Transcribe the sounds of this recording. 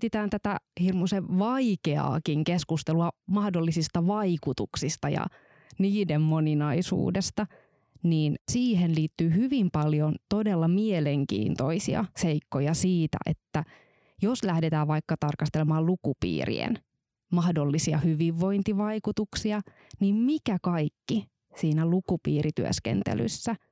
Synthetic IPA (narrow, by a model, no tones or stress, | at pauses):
t̪it̪æːnt̪æt̪æhirmuseʋʋɑikeɑ̰ːkiŋkeskust̪eluɑmɑhdolːisist̪ɑʋɑikut̪uksist̪ɑjɑ̰ | niːdemmo̞ninɑisṵːdest̪ɑ | niːnsiːɦenliːt̪ːyːhyʋimpɑljont̪o̞delːɑmieleŋkḭːnt̪o̰isḭɑ̰seikːojɑsiːt̪æ̰ʔḛt̪ːæ | joslæhdet̪æːʋʋɑikːɑt̪ɑrkɑst̪elemɑːlukupḭːrḭḛn | mɑhdolːisiɑ̰hyʋiʋːo̞int̪iʋɑikut̪uksiɑ | nimmikækɑikːi | siːnælukupiːɾit̪yø̰skḛnt̪ḛly̰sːæ